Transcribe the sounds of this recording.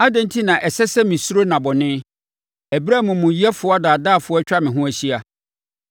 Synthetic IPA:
a˦dɛ̃˦n˦tʰi˦nã˨ʔɛ˨sɛ˦sɛ˦mĩ˨su˦ɾo˦nã˨bɔ˨nɪ̃˦ | æ˨bɾa˦˨mʊ̃˨mʊ̃˨ji˦ɛ˦fʊ˨˦ɔ˦a˦daː˨daː˦˨fʊ˨˦ɔ˦t͡ɕᶣa˦mɪ̃˨ɦʊ̃˦æ˨ɕi˦a˨

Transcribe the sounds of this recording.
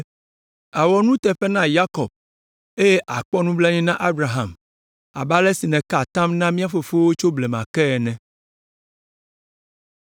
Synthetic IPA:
a˨wɔ˨nũ˦t̪ɛ˨ɸɛ˦nã˦ja˦kɔ˨b̚ | e˦je˦ʔa˨k͡pɔ˦nũ˦blɛ˦ɲĩ˦nã˦ʔa˦bɾa˨ɦa˨m | a̰˨ba˦lɛ˦si˨nɛ̃˨ka˨t̪ã˦mnã˦mĩ˦a˦fo˨fo˦wo˦t͡ʃo˦blɛ˨mã̰˨kɛ˦ɛ˨nɛ̃˨

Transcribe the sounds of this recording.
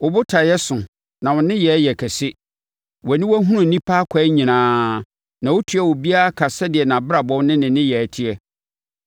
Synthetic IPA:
wʊ˨bʊ˦tʰa˨jɛ˦sʊ̃˨ | nã˨wʊ̃˨nɪ̃˦jɛ˨˦jɛ˨kʰɛ˨sɪ˦ | wɔ˨nɪ̃˦wɔ˦ɦũ˦nʊ̃˨n̩˨nĩ˦pʰaː˦kʷʰɛ˦ɲĩ˨nãː˦ | nã˨wʊ˦tʰu˨˦ɛ˦˨wʊ˨bi˦a˦a˦kʰa˨sɛ˦dɪ˨ɛ˨nã˨bɪ˦ɾa˨bɔ̃˦wnɪ̃˦nɪ̃˨nɪ̃˦jɛ˨tʰi˦ɛ˦

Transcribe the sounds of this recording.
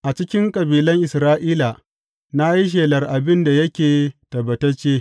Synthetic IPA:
ʔa˨t͡ʃɪ˦kʲɪ˦ŋkʼɐ˨biː˨lɐ˦ŋʔɪ˨sɾaː˦ʔiː˦la˨ | na˦ji˦ʃ̬eː˨lɐ˨rʔa˨bɪ˦nda˨jɐ˦kʲeː˨tɐ˨bɐ˨tɐ˦t͡ʃeː˦

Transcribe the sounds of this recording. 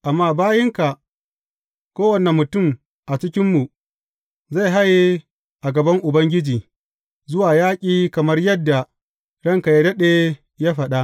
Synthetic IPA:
ʔa˨mːaː˦˨baː˦jɪ˦ŋka˨ʔ | kʷoː˦wɐ˨ne˨mːʊ˨tʊ˦˨m | ʔa˨t͡ʃɪ˦kʲɪ˦mːu˨ | za˦˨jɦa˦je˦ | ʔa˨ɡɐ˨bɐ˦ŋʔʊ˨bɐ˦ŋɡʲɪ˦d͡ʒiː˨ | zʊ˦waː˨jaː˦kʲʼiː˦kɐ˨mɐ˦rjɐ˦dːa˨ | ɽɐ˦ŋka˨ja˨dɐ˦ɗeː˦ | ja˦ɸɐ˨ɗa˦ʔ

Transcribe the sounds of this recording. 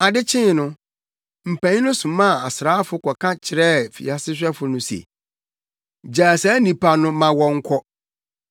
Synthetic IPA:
a˨dɪ˦t͡ɕʰɪ̃˦nʊ̃˦ | m̩˨pʰæ̃˨ɲ̃˦nʊ̃˦sʊ̃˨mã˦˨a˨sɾaː˦fʊ˦kʰɔ˨kʰã˦t͡ɕʰɪ˨ɾɛ˦fḭ˨a˨sɪ˦ɕ̬ᶣɛ˦fʊ˨˦nʊ̃˦sɛ̰˨ | d͡ʑaː˨sɛ˦nĩ˨pʰa˨nʊ̃˦mã˨wɔ̃˨ŋ̩˦kʰɔ˦

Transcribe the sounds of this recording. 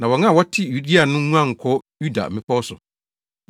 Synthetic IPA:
nã˨wɔ˨ŋã˦˨wɔ˦tʰɪ˦ju˨˦di˦a˨nʊ̃˦nũ˦ã˦˨ŋ̩˨kʰɔ˦ju˦da̰˨mɪ̃˦pʰɔ˦sʊ̰˨

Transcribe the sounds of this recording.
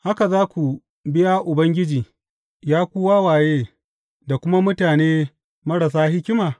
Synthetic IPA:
ha˦ka˨zaː˦kʷu˨ | bɪ˦ja˦ʔʊ˨bɐ˦ŋɡʲɪ˦d͡ʒiː˨ | jaː˦kʷʊː˦waː˦waː˨jeː˦ | da˨kʷʊ˦ma˦mʊ˦taː˨neː˦ | mɐ˦ɽa˨s̬aː˦hɪ˦kʲɪ˦maː˨

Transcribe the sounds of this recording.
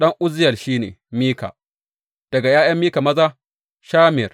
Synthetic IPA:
ɗɐ˦ŋʔʊ˦zɪ˦jɐ˨rʃiː˦nḛː˨miː˦ka̰ː˨ | d̥ɐ˨ɡa˨jaː˦jɐ˦mːiː˦ka˨mɐ˦zaː˦ | ʃaː˦mɪ˨r

